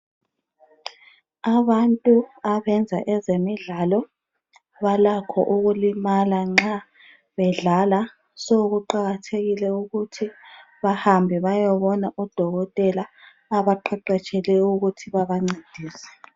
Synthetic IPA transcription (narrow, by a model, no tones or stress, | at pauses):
aβantʼuaβɛnd͡zʱa̰ʔɛzemiɮaːlɔ | βalakʰɔ̰ʔuɣulimalaŋ͡ǁa | βɛɮala | soɣuǃaɣatʰeɣilɛuɣutʰi | βahambʱiβajɔβɔnaʔɔd̥ʱɔɣɔtʼɛlaː | βaǃʰɛǃɛt͡ʃʼʰɛlɛuɣutʰiβaβaŋ͡ǀed̥ʱiːsɛ̥